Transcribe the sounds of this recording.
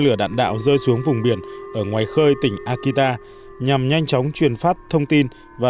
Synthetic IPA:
lɨ˧˩əɗa̰ː˧˨nɗa̰ː˧˨wzəː˧jsu˨˦əŋvʊ˨˩ŋ͡mɓi˧˩ənʔəː˧˩ŋwaː˨˩jxəː˧jt̪ï˧˩ŋ̟ʔaː˧ki˧t̪aː˧ | ɲa˨˩mɲa˧jŋ̟t͡ɕɔ˨˦wŋ͡mt͡ɕwi˨˩ənfaː˦˥p̚t̪ʰə˧wŋ͡mt̪i˧n | vaː˨˩

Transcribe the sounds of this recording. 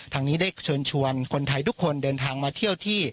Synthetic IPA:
t̪ʰaː˧ŋniː˦˥da˥˩jt͡ɕʰu˧ənt͡ɕʰu˧ənkʰo˧nt̪ʰa˧jt̪ʰu˦˥kʰːo˧ndɤː˧nt̪ʰaː˧ŋmaː˧t̪ʰi˥˩əwt̪ʰiː˥˩

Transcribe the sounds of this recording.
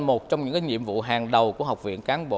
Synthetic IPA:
mo˨˩t̚t͡ɕɔ˧wŋ͡mɲɨ̰˧˥ŋkaː˨˦ɲḭ˧˨əmvṵ˧˨ɦaː˨˩ŋɗə˨˩wku˧˩əɦa˨˩wk͡p̚vḭ˧˨ənkaː˨˦nɓo̰˧˨

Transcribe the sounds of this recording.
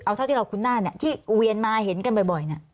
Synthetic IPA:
ʔw̪ʰa˥˩t̪ʰi˥˩˧wkʰu˧nːaː˥˩ni˦˥˩t̪ʰiː˥˩wi˧ənmaː˧ɦe˩˦nka˧nbɔ˨˩jbɔ˨˩jna˦˥˩

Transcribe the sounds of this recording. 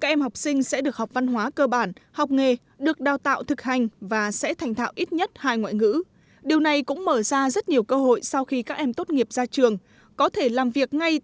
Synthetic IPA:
ka˦˥k̚ʔɛ˧mha˨˩wk͡p̚sï˧ŋ̟sɛ̰˧˥ɗɨ˨˩ək̚ha˨˩wk͡p̚va˧nɦwaː˨˦kəː˧ɓaː˧˩nhɔ˨˩wk͡p̚ŋe˨˩ | ɗɨ˨˩ək̚ɗaː˨˩wt̪a̰ː˧˨wt̪ʰɨ˨˩k̚ha˨˩jŋ̟vaː˨˩sɛ̰˧˥t̪ʰa˨˩jŋ̟t̪ʰa̰ː˧˨wʔi˦˥t̚ɲə˦˥t̚haː˧jŋwa̰ː˧˨jŋɨ̰˧˥ | ɗi˨˩əwna˨˩jkʊ̰˧˥ŋ͡mməː˧˩zaː˧zə˦˥t̚ɲi˨˩əwkəː˧ɦo̰˧˨jsa˧wxi˧kaː˦˥k̚ʔɛ˧mt̪o˦˥t̚ŋi˨˩əp̚zaː˧t͡ɕɨ˨˩əŋ | kɔ˨˦t̪ʰe˧˩laː˨˩mvi˨˩ək̚ŋa˧j

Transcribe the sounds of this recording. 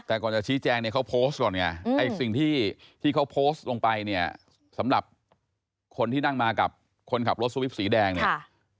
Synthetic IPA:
t̪ɛː˨˩kɔː˨˩nt͡ɕa˨˩t͡ɕʰiː˦˥t͡ɕɛː˧ŋni˥˩kʰa˦˥wpʰoː˦˥stkɔː˨˩nŋa˧˩a˧˨ksi˨˩ŋt̪ʰiː˥˩t̪ʰiː˥˩kʰa˦˥wpʰoː˦˥st̪̚lo˧ŋpa˧jni˥˩ɐ | sa˩˦mɾa˨˩p̚ | kʰo˧nt̪iː˥˩na˥˩ŋmaː˧ka˨˩p̚ | kʰo˧nkʰa˨˩pɾo˦˥t̪̚su˧i˦˥p̚siː˩˦dɛː˧ŋni˥˩

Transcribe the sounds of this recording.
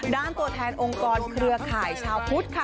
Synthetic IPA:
daː˧˩nt̪u˧˩ət̪ʰɛː˧nʔo˧ŋkɔː˧nkʰɾɯ˧əkʰaː˨˩jt͡ɕʰaː˧wpʰu˦˥t̪̚kʰa˧

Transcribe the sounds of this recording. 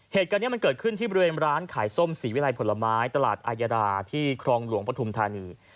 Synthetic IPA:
heː˨˩t̪̚ka˧nːi˥ɐm˧nkɤː˨˩t̪̚kʰɯ˥˩nt̪ʰiː˥˩bɔ˧ɾiweː˧nɾaː˦˥nkʰaː˩˦jso˥˩msiː˩˦wi˦˥la˧jpʰo˩˦la˧maː˦˥jt̪a˧la̰ː˨˩t̪̚ʔaː˧jaː˧ɾaː˧t̪ʰiː˥˩kʰɾɔː˧ŋlu˨˩˦əŋpɾa˧t̪ʰu˧mt̪ʰaː˧niː˧

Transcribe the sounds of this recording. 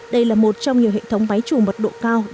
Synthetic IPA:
ɗə˧jlaː˨˩mo˨˩t̚t͡ɕɔ˧wŋ͡mɲi˨˩əwhḛ˧˨t̪ʰə˨˦wŋ͡mma˨˦jt͡ɕu˨˩mə˨˩t̚ɗo̰˧˨kaː˧w

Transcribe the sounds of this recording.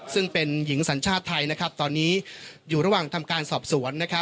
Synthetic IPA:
sɯ˥˩ŋpe˧nji˩˦ŋsa˩˦nt͡ɕʰaː˥˩t̪ʰːa˧jna˦˥kʰɾa˦˥p̚t̪ɔː˧nːiː˦˥juː˨˩ɾa˧waː˨˩ŋt̪ʰa˧mkaː˧nsɔː˨˩p̚su˩˦ənːa˦˥kʰa˦˥

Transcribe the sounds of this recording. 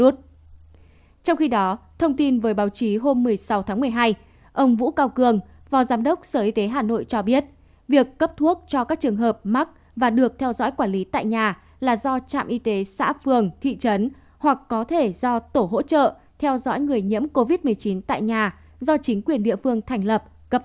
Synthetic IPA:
u˦˥t̚ | t͡ɕɔ˧wŋ͡mxi˧ɗɔ˨˦t̪ʰə˧wŋ͡mt̪i˧nvəː˨˦jɓaː˨˦wt͡ɕi˨˦ɦo˧mːɨ˨˩əjsa˨˦wt̪ʰaː˨˦ŋmɨ˨˩əjɦaː˧j | ʔə˧wŋ͡mvṵ˧˥kaː˧wkɨ˧˩əŋ | vaː˨˩wzaː˨˦mɗə˦˥wk͡p̚səː˧˩ʔi˧t̪e˨˦ɦaː˨˩no̰˧˨jt͡ɕɔ˧ɓi˦˥ət̚ | vi˨˩əkːə˦˥p̚t̪ʰu˦˥ək̚t͡ɕɔ˧kaː˦˥k̚t͡ɕɨ˨˩əŋɦəː˨˩p̚ma˦˥k̚ | vaː˨˩ɗɨ˨˩ək̚t̪ʰɛ˧wzɔ̰˧˥jkwaː˧˩nli˨˦t̪a̰ː˧˨jɲaː˨˩ | laː˨˩zɔ˧t͡ɕa̰ː˧˨mʔi˧t̪e˨˦sa̰ː˧˥fɨ˨˩əŋt̪ʰḭ˧˨t͡ɕə˨˦n | hwa˨˩k̚kɔ˨˦t̪ʰe˧˩zɔ˧t̪o˧˩ɦo̰˧˥t͡ɕə̰ː˧˨ | t̪ʰɛ˧wzɔ̰˧˥jŋɨ˨˩əjɲḭ˧˥əmko˧vi˦˥t̚mɨ˨˩əjt͡ɕi˨˦nt̪a̰ː˧˨jɲaː˨˩ | zɔ˧t͡ɕï˨˦ŋ̟kwi˨˩ənɗḭ˧˨əfɨ˧əŋt̪ʰa˨˩ŋ̟lə˨˩p̚ | kə˦˥p̚

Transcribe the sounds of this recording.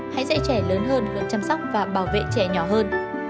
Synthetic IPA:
ha̰˧˥jza̰˧˥t͡ɕɛ˧˩ləː˨˦nɦəː˧nhɨ˨˧˩ənt͡ɕa˧msa˦˥wk͡p̚vaː˨˩ɓaː˧˩wvḛ˧˨t͡ɕɛ˧˩ɲɔ˧˩ɦəː˧n

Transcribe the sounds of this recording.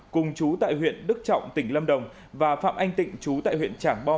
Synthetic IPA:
kʊ˨˩ŋ͡mt͡ɕu˨˦t̪a̰ː˧˨jɦwḭ˧˨ənɗɨ˦˥k̚t͡ɕɔ̰˧˨wŋ͡mt̪ï˧˩ŋ̟lə˧mɗə˨˩wŋ͡m | vaː˨˩fa̰ː˧˨mʔa˧jŋ̟t̪ḭ̈˧˨ŋ̟t͡ɕu˨˦t̪a̰ː˧˨jwḭ˧˨ənt͡ɕaː˧˩ŋɓɔ˧

